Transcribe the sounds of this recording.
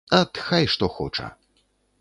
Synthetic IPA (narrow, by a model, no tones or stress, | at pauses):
ɐt̪xajʂt̪ɔxɔt͡ʂɐ̰